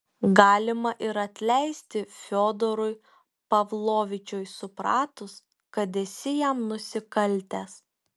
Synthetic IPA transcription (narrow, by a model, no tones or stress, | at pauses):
ɡɑːlʲɪmɐʔɪɾɐt̪ʲlʲɛɪsʲt̪ʲɪfʲoːd̪ɔɾʊj | pɐʋlˠoːʋʲɪt͡ʃʲoːjsʊpɾɑːt̪ʊs | kɐd̪ʲɛsʲɪjæmnʊsʲɪkɐlʲt̪ʲæs